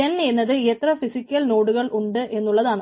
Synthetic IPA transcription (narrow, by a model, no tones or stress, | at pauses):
ɐnenːɐðɨeːt̪rɐfisikʲːɐlno̞ːɽuɣɐɭʔuɳɖɨʔe̞nːuɭːɐðaːɳɨ